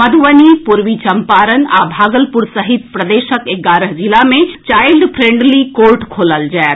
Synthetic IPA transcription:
məd̪ʱʋənipuɾʋit͡ʃɐmpaːɾənabʱaːɡəlpuɾsəɦit̪̚pɾəd̪eːʃəkeɡaːɾəɦd͡ʒilamẽt͡ʃaːɪlɖpʰɾẽɳɖlikoɾʈkʰoːləld͡ʒaɛ

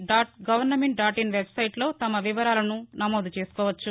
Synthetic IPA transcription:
ɖaːʈ̚ɡɐʋɐɾnɐmeɳʈ̚ɖaːʈinʋebsɐjʈlo̞ːt̪ɐmɐʋiʋɐɾaːlɐnunɐmoːd̪t͡ʃe̞ːsu̥kɔːʋɐt͡ʃːu

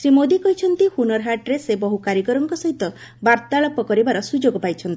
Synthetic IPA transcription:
sɾimod̪ikɔɦit͡ʃʰɔnt̪ihunɔɾɦaʈɾesebɔɦukaɾjɔkɔɾɔŋkɔsɔɦit̪ɔ | baɾt̪aɭɔpɔkɔɾibaɾɔsud͡ʒoɡɔpajt͡ʃʰɔnt̪i

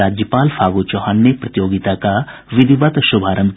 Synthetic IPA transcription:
aːd͡ʒjəpaːlpʰaːɡot͡ʃɔɦaːnːepɾət̪ɪjoːɡɪt̪akaʋɪd̪iʋat̪ʃʊbʱaːɾə̃m

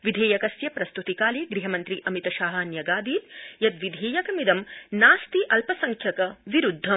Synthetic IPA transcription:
ʋid̪ʱeːjɐkɐsjɐpɾɐst̪ut̪ikaːliːɡɾiɦɐmɐnt̪ɾiʔɐmit̪ɐʃaːɦɐnjɐɡaːd̪iːt̪jɐt̪ʋid̪ʱeːjɐkɐmid̪ɐmnaːst̪iʔɐlpɐsɐŋkʰjɐkɐʋiɾud̪ʱːɐ

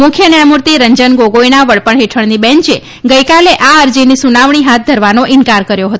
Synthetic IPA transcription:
mʊkʰjənɛmuɾt̪iɾəɲd͡ʒənɡoɡojnaʋəɭpəɳɦeʈʰəɳnibɛ̃ɲt͡ʃe | ɡəjkaleʔaəɾd͡ʒinisunaʋɳ̃iɦat̪̚d̪ʱəɾʋanoʔɪnkaɾkəɾjoɦət̪o

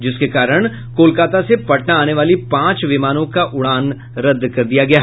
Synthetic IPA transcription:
d͡ʒɪskekaːɾəɽ̃ | koːlkaːt̪asepɐʈnaaːneʋaːlipãːt͡ʃʋɪmaːnõkaʔʊɽaːn | ɾɐd̪ʱːkɐɾd̪ijaɡɐjaɦ

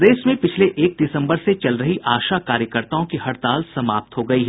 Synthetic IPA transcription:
d̪eːsmẽpɪt͡ʃʰleʔeːk̚d̪ɪsə̃mbəɾset͡ʃɐlɾɐɦiʔaːʃakaːɾjəkəɾt̪aõkihɐɾt̪aːlsɐmaːp̚t̪ɦoɡɐiɦɛ

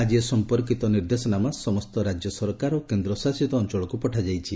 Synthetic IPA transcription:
ad͡ʒiesɔmpɔɾk̬it̪ɔniɾd̪esɔnamasɔmɔst̪ɔɾad͡ʒjɔsɔɾkaɾɔkend̪ɾɔsasit̪ɔːnt͡ʃɔɭɔkupɔʈʰad͡ʒajt͡ʃʰi

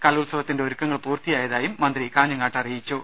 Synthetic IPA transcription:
kɐlulsɐʋɐt̪ːindeoɾukːɐŋːɐɭpuːrt̪ijaːjɐðaːjumːɐnd̪ɾikaːɲːɐŋːaːʈːɐrijit͡ɕːu

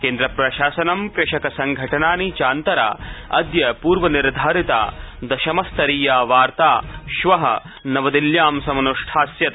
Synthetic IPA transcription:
keːnd̪ɾɐpɾɐʃaːsɐnɐmkɾɪʃɐkɐsɐŋɡʱɐʈɐnaːnit͡ʃaːnt̪ɐɾa̰ːɐ̰d̪jɐpuːɾʋɐniɾd̪ʱaːɾit̪a̰ːd̪ɐʃɐmɐst̪ɐɾiːjaːʋaːɾt̪aːʃʋɐɦɐ̰ | nɐʋɐd̪iljaːmsɐmɐnuʂʈʰaːsjɐt̪

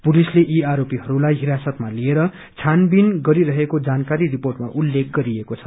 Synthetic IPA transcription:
pulisleʔiaɾopiɦʌɾulajɦiɾasʌt̪malieɾʌ | t͡sʰanbinɡʌɾiɾʌɦekod͡zankaɾiriporʈma̰ʔulːek̚ɡʌɾiekot͡sʰʌ̥

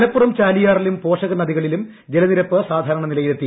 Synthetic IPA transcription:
ɐlɐpːurɐmt͡ɕaːlijaːrilumpo̞ːʂɐɣɐnɐðiɣɐɭilum | d͡ʑelɐniɾɐpːɨsaːd̪ʱaːɾɐɳɐnilɐjilet̪ːi

